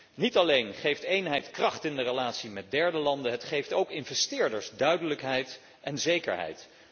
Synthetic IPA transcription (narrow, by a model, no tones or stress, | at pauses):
nitɑlejnχejftejnɦɛjtkrɑχtɪndərəlaːtsimɛt̚dɛɹdəlɑndəɦətχejftowkɪnvɛstɪːɹdəɹsdœɥdələkɦɛjt | ɛnzejkə̰ɹɦɛ̰jt